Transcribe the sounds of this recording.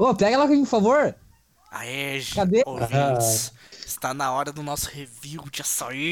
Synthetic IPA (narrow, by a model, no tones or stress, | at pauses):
opɛɡɐɛlakamĩpfavoɾ | a̰ɛʒkad̪eoṽt͡ʃs | ɪst̪anɐɔɾɐd̪ʊnɔsʊ̥heviwd͡ʒɪasai